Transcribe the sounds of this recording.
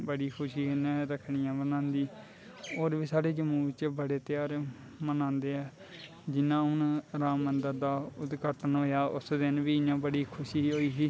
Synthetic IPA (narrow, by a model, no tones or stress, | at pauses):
bəɽiːkʰʊʃiːnɛɾəkʰɳijãːbənãːnd̪iː | oːɾʋiːsaːɽeːd͡ʒəmuːt͡ʃbəɽeːt̪ɪjaːɾ | mənãːnd̪eːɛː | d͡ʒɪnãːʊnɾaːmənd̪əɾd̪aːʊd̪ɡəɾʈənɦoːjaːʔʊ̰sd̪ɪnʋiːɪjãːbəɽiːkʰʊʃiːɦoːiːɦiː